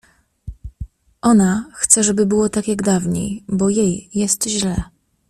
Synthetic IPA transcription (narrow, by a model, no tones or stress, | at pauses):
ʔɔnaxt̪sɛʐɛbɘbɘwɔt̪akʲjaɡd̪avɲḛjbɔjejːɛst̪ʑlɛ